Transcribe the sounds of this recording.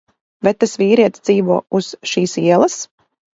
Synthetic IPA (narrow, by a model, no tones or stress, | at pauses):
vɛt̪ːasviːɾiɛt̪sd̪z̥iːvuɔuz̥ʃiːsiɛlˠas